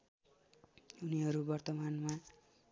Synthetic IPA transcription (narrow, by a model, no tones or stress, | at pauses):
uniɦʌɾubʌrt̪ʌmanma